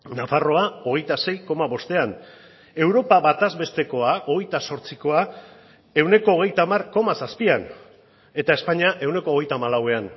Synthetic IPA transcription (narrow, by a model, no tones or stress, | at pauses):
nafaro̞ao̞ɣ̞e̞jt̪ase̞jko̞maβo̞st̪e̞an | e̞wɾo̞paβat̪azβe̞st̪e̞ko̞ao̞ɣ̞e̞jt̪aso̞ɾt͡siko̞a | e̞wne̞ko̞ːɣ̞e̞jt̪aːmarko̞masaspian | e̞t̪ae̞spaɲiaʔe̞wne̞koːɣe̞jt̪aːmalawe̞an